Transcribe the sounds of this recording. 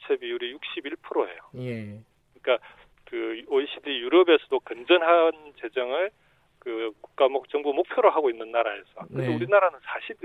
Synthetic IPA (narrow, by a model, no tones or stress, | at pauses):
t͡ɕʰebiuɾijuk̚ɕ͈ibiɭpʰɯɾoɦe̞̰joj | kɯɲik͈a | kɯoiɕ͈ʰidijuɾʌbe̞sʰʌdokɯnd͡ʑʌnɦant͡ɕe̞d͡ʑʌŋɯɭ | kɯku̥k̚k͈amokt͡ɕʌŋbumok̚pʰjoɾoɦaɡoinːɯnːaɾae̞sʰʌkɯndeuɾinaɾanɯnsʰaɕʰi